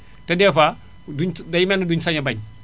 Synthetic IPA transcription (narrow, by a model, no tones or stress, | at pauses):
tɛdɛːfa | duɲdɐjmɛnɐduɲsɐɲɐbɐɲ